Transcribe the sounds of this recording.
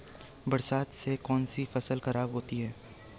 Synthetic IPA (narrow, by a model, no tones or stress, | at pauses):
bɐɾsaːt̪sekɔːnsifɐsəlxɐɾaːbɦoːt̪iɦɛː